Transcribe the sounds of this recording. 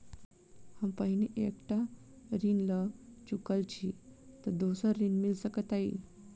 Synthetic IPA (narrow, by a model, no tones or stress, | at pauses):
hãmpaɦineʔekʈa | ɾinlət͡ɕukəlt͡ɕit̪əɾd̪osəɾinmilsəkət̪aɦḭ